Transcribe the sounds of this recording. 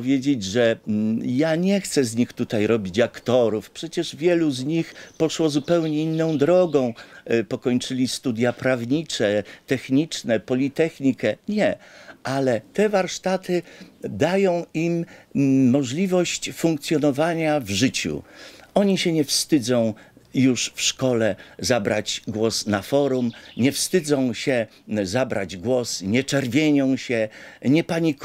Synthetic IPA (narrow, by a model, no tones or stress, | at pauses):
vʲjed͡ʑed͡ʑʐɛjaɲɛxt̪sɛzɲixt̪ut̪ajɾɔbʲit͡ɕakt̪ɔɾufpʂɛt͡ɕɛʐvʲjɛluzɲixpɔʂwɔzupɛwɲɛinːɔ̃w̃d̪ɾɔɡɔ̃w̃pɔkɔɲt͡ʂɘlʲist̪ud̪ʲjapɾavɲit͡ʂɛt̪ɛxɲit͡ʂnɛpɔlʲit̪ɛxɲikɛɲɛʔalɛt̪ɛvaɾʂt̪at̪ɘd̪ajɔ̃w̃ʔimː | ɔʐlʲivɔɕt͡ɕfuŋkt̪sʲjɔnɔvaɲavʐɘt͡ɕṵɔɲiɕɛɲɛfst̪ɘd̪zɔ̃w̃ | juʂfʂkɔlɛzabɾat͡ɕɡwɔsnafɔɾumɲɛfst̪ɘd̪zɔ̃w̃ɕɛ | zabɾa̰d͡ʑɡwɔsɲɛt͡ʂɛɾvʲjeɲɔ̃w̃ɕɛɲɛpaɲi